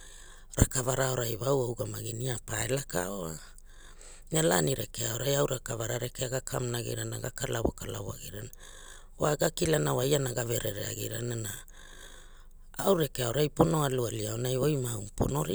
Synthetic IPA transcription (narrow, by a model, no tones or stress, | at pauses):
ɾakavaɾao̞ɾajβawawɡamaɡiniapaelaka̰oa | ala̰niɾekeaoɾajawɾakavaɾaɾekeaɡakʰamnaɡḭɾana̰ɡakalaβo̰kalaβoaɡiɾana | waɡakilanawajanaɡave̞ɾeɾḛa̰ɡḭɾanana | awɾe̞keaoɾajpo̞no̞alualiaonajojmaupʰo̞̰no̞ɾi